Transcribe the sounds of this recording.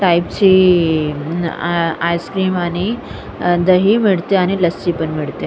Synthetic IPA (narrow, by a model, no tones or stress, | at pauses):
ʈaipt͡ɕiː | ajskɾiːmaɽ̃i | d̪əɦiːmiɭt̪eaɽ̃iləst͡ɕiːpəɳmiɭt̪e